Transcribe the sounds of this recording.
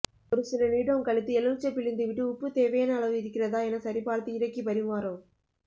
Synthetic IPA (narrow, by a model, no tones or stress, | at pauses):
ɔɾɯsɪlɐniːɽɐkɐɭɯt̪ːɯɛlɯʋt͡ʃːɐpːɪɭɪnd̪ɯʋɪʈːɯʊpːɯt̪eːʋɐjaːnɐːɭɐʋɯɪɾɯkːɪrɐðaːɛnɐsɐɾipaːɾt̪ːɯɪɾɐkːipɐɾɪmaːɾoː